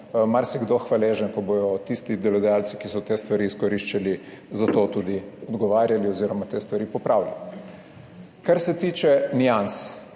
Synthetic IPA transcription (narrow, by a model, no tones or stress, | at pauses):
maɾsjɛɡd̪oxʋaleːʒənkɔbojɔt̪ist̪id̪ɛlɔd̪ɛjalsi̥kisɔt̪eːst̪ʋaɾiːiskɔɾiʃt͡ʃalizat̪ot̪ud̪iɔd̪ɡɔʋaːɾjaliɔziːɾɔmat̪eːst̪ʋaɾiːpɔpɾawlʲja̰li | kaɾsɛt̪iːt͡ʃɛnians